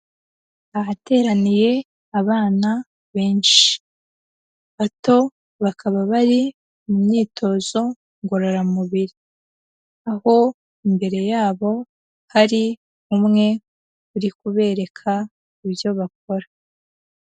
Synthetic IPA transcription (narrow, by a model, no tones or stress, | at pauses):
ahate̞ːɾanije̞ | aβaːna | βe̞ːnʃi̥ | βato̞ | βakʰaβaβaɾi | mumɲiːtʰo̞zo̞ | ŋɡo̞ɾoɾamuβiɾi | aho̞ | imbe̞ɾe̞jaːβo̞ | haɾi | umŋe̞ | uɾikuβe̞ːɾe̞kʰa | iβjo̞βak̚o̞ɾa